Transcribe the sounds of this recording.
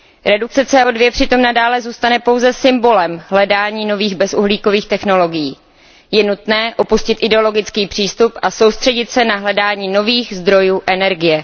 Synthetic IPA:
ɾɛduk̚t͡sɛt͡sɛːʔodvjɛpr̝̥ɪt̪o̞mnadaːlɛzuːst̪anɛpo̞wzɛsɪmbo̞lɛmɦlɛdaːɲiːno̞viːɣbɛsuɦliːkoviːxt̪ɛxno̞lo̞ɡɪjiː | jɛnut̪nɛːʔo̞puscɪt̪ʔɪdɛo̞lo̞ɡɪt͡skiːpr̝̥iːst̪upʔaso̞wst̪r̥ɛɟɪt̪sɛnaɦlɛdaːɲiːno̞viːxzd̪ɾo̞juːʔɛnɛɾɡɪjɛ

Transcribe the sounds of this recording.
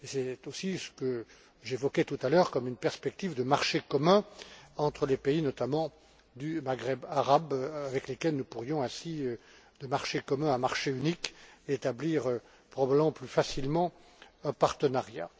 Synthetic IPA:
esɛt̪osisə̥kə | ʒevɔkʲet̪ut̪alœʁkɔmynpɛʁspɛk̚t̪ivd̪əmaʁʃekɔmɛ̃ɑ̃t̪χəlepeinɔt̪amɑ̃ | d̪ymaɡʁɛbaʁabavɛklekɛlnupuʁjɔ̃ɛ̃siø | d̪əmaʁʃekɔmɛ̃ɛ̃maʁʃeynikeet̪abliʁø | pχɔbabləmɑ̃plyfasilmɑ̃ | ɛ̃paʁt̪ənaʁja

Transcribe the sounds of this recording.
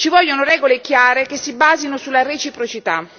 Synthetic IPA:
t͡ʃivɔʎːonoɾɛːɡolekjaːɾekesːibaːzinosulːaret͡ʃipɾot͡ʃit̪a̰

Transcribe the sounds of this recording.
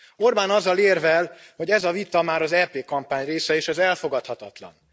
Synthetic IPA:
o̞rbaːnɒzːɒleːrvɛlho̞ɟɛzɒvit̪ɒmaːɾɒzɛpeːkɒmpaːɲreːsɛeːʃɛzɛlfo̞ɡɒt̪hɒt̪ɒt̪lɒ̰n

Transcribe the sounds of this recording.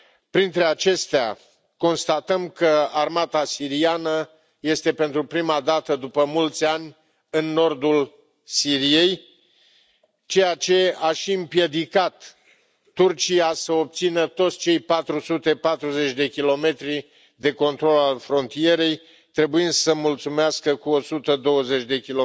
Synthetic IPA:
pɾint̪ɾe̞at͡ʃe̞st̪ea̰ | ko̞nst̪at̪əmkəarmat̪asiɾianə | je̞st̪e̞pe̞nt̪ɾupɾimad̪at̪əd̪upəmult̪sʲanʲ | ɨnːo̞rd̪ul | siɾije̞j | t͡ʃe̞jat͡ʃe̞aʃiɨmpje̞d̪ikat̪ː | urt͡ʃijasəo̞p̚t̪sinət̪o̞t̪sʲt͡ʃe̞jpat̪ɾusut̪e̞pat̪ɾuze̞t͡ʃʲd̪e̞kʲilo̞me̞t̪ɾi | d̪e̞ko̞nt̪ɾo̞lalfɾo̞nt̪ije̞ɾe̞j | t̪ɾe̞buind̪səmult̪sumeaskəkuosut̪əd̪o̞wəze̞t͡ʃʲd̪e̞kʲilo

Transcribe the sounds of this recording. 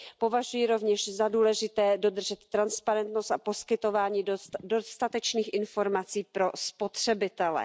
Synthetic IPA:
po̞vaʒujɪɾovɲɛʃzaduːlɛʒɪt̪ɛːdo̞d̪r̩ʒɛt̪ːɾanspaɾɛnt̪nost̪apo̞skɪt̪o̞vaːɲiːdost̪at̪ɛt͡ʃniːxʔɪnfo̞ɾmat͡siːpɾo̞spo̞t̪r̝̥ɛbɪt̪ɛlɛ̰

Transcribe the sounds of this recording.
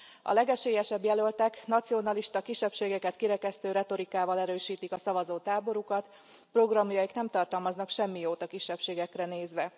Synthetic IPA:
ɒ̰lɛɡɛʃeːjɛʃɛbjɛlølt̪ɛknɒt̪sio̞nɒliʃt̪ɒkiʃɛpʃeːɡɛkɛt̪kiɾɛkɛst̪øːɾɛt̪o̞ɾikaːvɒlɛɾøːʃiːt̪ikɒsɒvɒzoːt̪aːbo̞ɾukɒt̪ | pro̞ɡrɒmjɒjiknɛmt̪ɒrt̪ɒlmɒznɒkʃɛmːijoːt̪ɒkiʃːɛpʃeːɡɛkrɛneːzʋɛ

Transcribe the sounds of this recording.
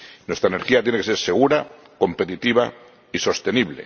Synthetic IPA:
nwe̞st̪ɾaeneɾxiat̪jenekese̞ɾse̞ɣ̞uɾa | ko̞mpe̞t̪it̪iβ̞a̰ | iso̞st̪e̞niβle̞̰

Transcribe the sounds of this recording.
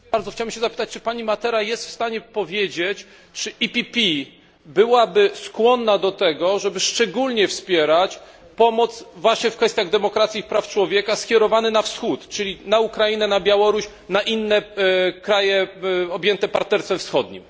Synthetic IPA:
aɾd̪zɔxt͡ɕawbɛmɕɛzapɘ̥t̪at͡ɕ̚t͡ʂɘ̥paɲimat̪ɛɾajɛst̪fst̪aɲɛpɔvʲjed͡ʑet͡ɕ | t͡ʂɘʔipʲipʲi | bɘwabɘskwɔnːad̪ɔt̪ɛɡɔʐɛbɘʂt͡ʂɛɡulʲɲɛfspʲjɛɾat͡ɕ | pɔmɔt̪svwaɕɲɛfkfɛst̪ʲjaɣd̪ɛmɔkɾat̪sʲipɾaft͡ʂwɔvʲjɛkaskʲjɛɾɔvanɘnafsxut̪t͡ʂɘlʲinaukɾainɛnabʲjawɔɾuɕ | naʔinːɛkɾajɛɔbʲjɛnt̪ɛpaɾt̪nɛɾst̪fɛfsxɔd̪ɲḭm

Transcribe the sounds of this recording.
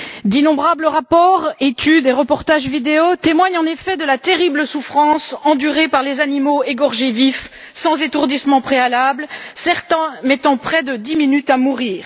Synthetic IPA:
d̪inɔ̃bʁabləʁapɔʁet̪yd̪eʁəpɔʁt̪aʒvid̪eot̪emwaɲɑ̃nefɛd̪əlat̪eʁibləsufχɑ̃sɑ̃d̪yʁepaʁlezanimoeɡɔʁʒevif | sɑ̃zet̪uʁd̪ismɑ̃pχealabləsɛʁt̪ɛ̃mɛt̪ɑ̃pχɛd̪əd̪iminyt̪amuʁiːʁ

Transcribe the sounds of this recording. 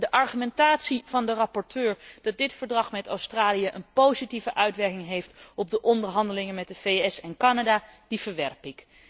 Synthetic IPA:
dəʔɑɹχymɛntaːtsiv̥ɑndərɑpɔɹtøːɹd̥ɑt̚dɪtfəɹdrɑχmɛta̰wstraːlijəʔənpowzitivəʔœɥtʋɛɹkɪŋɦejftɔb̚dəʔɔndəɹɦɑndəlɪŋənmɛt̚dəvejɛsɛnkɑnadaːd̥ivəɹʋɛɹpɪk

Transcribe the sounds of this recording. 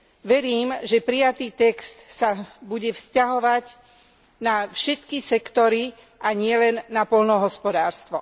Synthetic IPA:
ʋɛɾiːmʒɛpɾijat̪iːt̪ɛkst̪sabuɟɛfscaɦɔʋaɟ | nafʃɛt̪kisɛkt̪ɔɾi | ʔaɲɪɛlɛnːapɔʎnɔɦɔspɔd̪aːɾst̪ʋɔ

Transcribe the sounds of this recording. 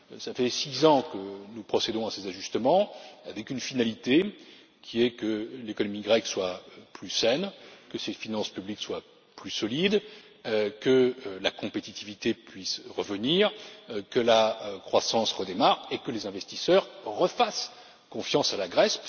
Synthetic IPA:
safɛsizɑ̃kənupχɔsed̪ɔ̃asezaʒyst̪əmɑ̃avɛkynfinalit̪e | kʲʰiɛkəlekɔnɔmiɡʁɛkswaplysɛnkəsefinɑ̃spyblikswa | plysɔlid̪ | kəlakɔ̃pet̪it̪ivit̪epɥisʁəvəniʁkəlakχwasɑ̃sʁəd̪emaʁekəlezɛ̃vɛst̪isœʁʁəfas | kɔ̃fjɑ̃salaɡʁɛs

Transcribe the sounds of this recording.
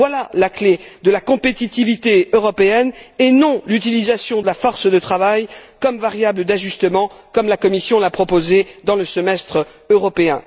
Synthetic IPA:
vwalalakle | d̪əlakɔ̃pet̪it̪ivit̪eøʁɔpeɛnenɔ̃lyt̪̬ilizasjɔ̃d̪əlafɔʁsd̪ət̪χavajkɔmvaʁjabləd̪aʒyst̪əmɑ̃kɔmlakɔmisjɔ̃lapχɔpozed̪ɑ̃ləsəmɛst̪χ | øʁɔpeɛ̰̃

